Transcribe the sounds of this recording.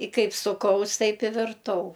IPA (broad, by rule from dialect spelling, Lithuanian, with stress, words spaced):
ɪ ˈkɐɪp sʊˈkɐʊs ˈtɐɪp ɪ ʋʲɪrˈtɐʊ